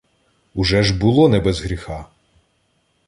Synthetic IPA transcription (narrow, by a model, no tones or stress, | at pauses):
ʊʒɛʒbʊlˠɔnɛbɛzɦɾʲixɑ